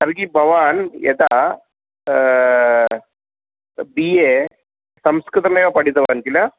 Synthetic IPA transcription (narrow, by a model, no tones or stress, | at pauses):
ɐɾɡibʱɐʋanjḛt̪a | bije | sɐmskɾɨt̪ɾnajkapɐɽit̪ɐʋant̪ila